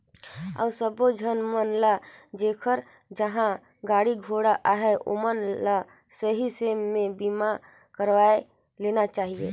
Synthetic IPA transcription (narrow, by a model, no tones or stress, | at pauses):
a̰ːsəbod͡ʒʱənmənlad͡ʒekʰəɾ | d͡ʒəɦã | ɡaːɽiɡʱoɽaʔaɦɛʔo̰mənla | səɦisemẽbima | kəɾʋaːe | lenat͡ʃaːɦiḛ